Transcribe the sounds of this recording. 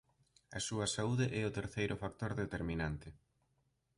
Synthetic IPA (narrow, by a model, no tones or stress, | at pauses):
ɐsuɐsauðeʔɛʊt̪eɾθejɾʔʊfak̚t̪oɾðet̪eɾminant̪ɪ